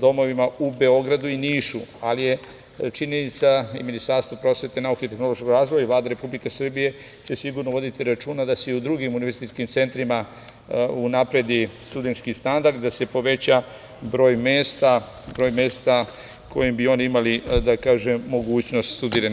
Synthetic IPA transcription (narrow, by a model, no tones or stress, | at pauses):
d̪o̞mo̞ʋimaube̞o̞ɡɾad̪uiniːʃualije | t͡ʃiɲe̞nit̪saiminist̪aɾst̪apɾo̞sʋe̞t̪e̞naukeit̪e̞xno̞lo̞ʃkoɡɾaːzʋojaiʋlaːd̪aɾe̞publikesr̩bije̞ | t͡ɕe̞siɡuɾnoʋo̞d̪it̪iɾat͡ʃuːnad̪aseiud̪ɾuɡimuniʋe̞ɾzit̪iskimt̪se̞nt̪ɾima | unapɾe̞d̪ist̪ud̪e̞nt̪skist̪and̪aɾd̪id̪ase̞po̞ʋe̞t͡ɕa | bɾo̞ːjmeːst̪a | bɾo̞ːjme̞ːst̪a | kʰo̞̰jimbio̞niimalid̪akaːʒe̞mːo̞ɡuːt͡ɕno̞st̪st̪ud̪iːɾan